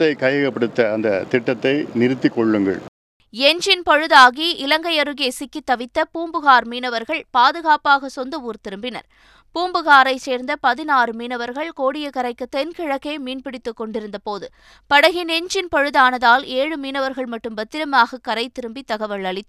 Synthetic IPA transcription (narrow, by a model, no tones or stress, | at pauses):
ɐɪkɐjɐɣɐpːɐɽɯt̪ːɐːnd̪ɐt̪ɪʈːɐt̪ːɐɪnɪɾɯt̪ːɪkːɔɭːɯŋɡɐ̰ɭ | ɛɲd͡ʒɪnpɔɻɯðaːɣiʔɪlɐŋɡɐɪɐɾɯɣeːsɪkːit̪ːɐʋɪt̪ːɐpuːmbɯɣaːɾmiːnɐʋɐɾɣɐɭpaːðɯɣaːpaːɣɐsɔnd̪ɐuːɾt̪ɪɾɯmbɪnɐ̰ɾ | puːmbɯɣaːɾɐɪt͡ʃeːɾnd̪ɐpɐðɪnaːrɯmiːnɐʋɐɾɣɐɭkoːɽɪjɐkːɐɾɐɪkːɯt̪ːɛnkɪɻɐkːeːmiːnpɪɽɪt̪ːɯkːɔɳɖɪɾɯnd̪ɐpoːðɯ | pɐɽɐɣɪnɛɲd͡ʒɪnpɔɻɯðaːnɐðaːleːɻɯmiːnɐʋɐɾɣɐɭmɐʈːɯmbɐt̪ːɪɾɐmaːɣɐkːɐɾɐɪt̪ːɪɾɯmbit̪ːɐɣɐʋɐɭɐɭɪt̪ː